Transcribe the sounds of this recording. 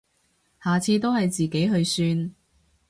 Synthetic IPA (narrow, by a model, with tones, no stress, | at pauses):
haː˨t͡sʰiː˧t̪̬o˥whɐ˨jt͡siː˨ke˨˥jɦɵ˨˧ɥsyː˧n